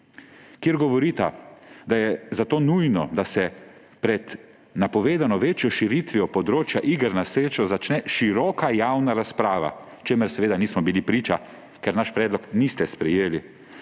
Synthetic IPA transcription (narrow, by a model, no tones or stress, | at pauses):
kjeɾɡɔʋɔɾiːt̪ad̪ajɛzat̪oːnujnɔd̪asɛ | pɾɛd̪ | napɔʋeːd̪anɔʋeːt͡ʃjɔʃiɾit̪ʋijɔpɔd̪ɾoːt͡ʃjaʔiɡəɾnasɾeːt͡ʃɔzat͡ʃnɛʃiɾɔːkajawnaɾaspɾaːʋa̰ | t͡ʃeməɾsɛʋeːd̪aniːsmɔbilipɾiːt͡ʃa | kɛɾnaʃpɾɛːd̪lɔknist̪ɛspɾɛjeːli